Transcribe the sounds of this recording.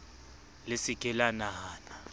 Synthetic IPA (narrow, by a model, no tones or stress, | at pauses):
lesiɡ̥ʱɛlanaːna